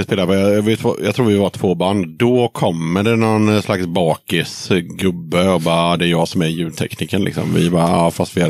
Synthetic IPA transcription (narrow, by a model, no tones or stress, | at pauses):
ɪspeːlaɾpojvɪt̪ʰvo̰jɑ̰t̪ʰɾuːvɪvat̪ʰv̥oːbanːd̪ɔkʰɔmːəɖɛnɔnslaksbɑːkɪsɡɵbːəɔbɑːd̪ɛæɾjɑːɡsɔmæɾjʉ̟ːd̪t̪ʰɛ̰kniːkənlɪ̰ksɔ̰mvɪ̰bɑːɑːfast̪vɪha